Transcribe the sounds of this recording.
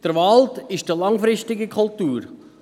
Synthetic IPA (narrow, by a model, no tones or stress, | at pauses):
d̥əɾʋɑltɪʃd̥ilɑŋfɾɪstɪɡəkʰʊlt̪uːɾ